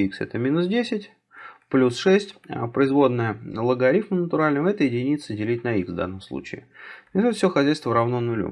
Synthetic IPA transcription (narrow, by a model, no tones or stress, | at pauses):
iksɛ̰t̪əmʲinʊsdʲesʲɪtʲ | plʲusʂɛsʲtʲəpɾəɪzvo̞d̪nəjəlˠəɡɐɾʲifmənət̪ʊɾalʲnəməɛt̪əjɪdʲɪnʲit̪sədʲɪlʲitʲnɐikzvd̪a̰nːəmslˠṵt͡ɕɪɪ̰ɪsut̪fsʲoxɐzʲæjst̪vəɾɐvnonʊlʲṵ